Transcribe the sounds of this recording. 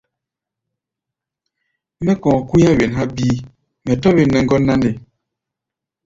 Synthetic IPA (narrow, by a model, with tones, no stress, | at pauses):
mɛ˦kɔ̃ː˨ku˦ja˦we˨nɦa˦biː˦ | mɛ˨tɔ˦βe˨nːɛ˨ŋ˦ɡɔ˦nːa˦nde˨